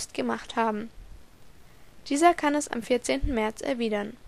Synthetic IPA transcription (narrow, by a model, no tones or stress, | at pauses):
stɡ̥əmaχthaːbm̩ | d̥iːzɐkʰanɛsa̰mfiɐt͡seːntn̩mɛɐt͡sɛ̰ɐviːdɐn